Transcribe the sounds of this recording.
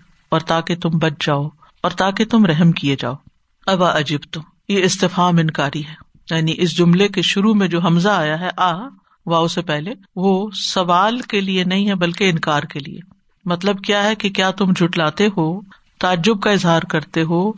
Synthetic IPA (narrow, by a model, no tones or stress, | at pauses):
ɔːɾt̪aːket̪ʊmbɐt͡ʃʰd͡ʒaːo | ɔːɾt̪aːket̪ʊmɾɛɦmkied͡ʒa̰ːoː | ɐʋaʔɐd͡ʒibt̪ʊm | jeɪst̪ɪfaːmɪnkaːɾiɦɛː | jaːniʔɪs̬d͡ʒʊmlekeʃʊɾumẽd͡ʒoːɦɐmzaaːjaɦɛʔaː | ʋaːʊsepɛɦle | ʋosɐʋaːlkelienɐɦĩɦɛbɐlkeɪnkaːɾkelḭḛ | mɐt̪ləbkjaːɦɛkekjaːt̪ʊmd͡ʒʱʊʈlaːt̪eɦoː | t̪aːd͡ʒːʊb̚kaɪzɦaːɾkɐɾt̪eɦoː